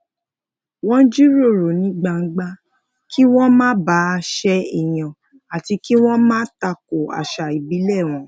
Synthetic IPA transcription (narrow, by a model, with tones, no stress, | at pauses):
wɔ̃˦n̩˦d͡ʒi˦ɾo˦˨ɾo˨nĩ˦ɡ͡ba˧ŋ̩˦ɡ͡ba˦ | ki˦w̃ɔ̃˦mã˦ba˨˦˧ʃɛ˧˦i˨j̃ã˨ | a˨ti˧ki˦w̃ɔ̃˦mãː˦ta˧ko˨a̰˨ʃa˨i˨bi˨˦lɛ˦˨w̃ɔ̃˨˦